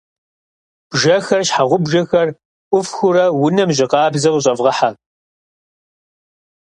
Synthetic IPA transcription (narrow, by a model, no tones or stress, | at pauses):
b̥ʒɐxɐrɕħaʁʷʊbʒɐxɐr | ʔʷʊfxʊɾɐwʊnɐmʑɪqɑːbzɐʁəɕʼɐvʁɐħa